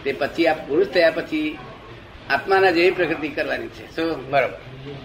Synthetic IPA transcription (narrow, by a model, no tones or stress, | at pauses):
t̪epət͡ʃʰiappuɾuʃt̪ʰəjapət͡ʃʰi | ap̪manad͡ʒeʋipɾəkɾt̪ikəɾʋanit͡ʃʰḛsobəɾobə̰ɾ